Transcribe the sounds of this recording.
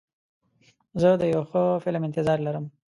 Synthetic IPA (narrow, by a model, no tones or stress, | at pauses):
zəd̪əjawxəfɪlmɪnt̪ɪzɑɾlaɾəm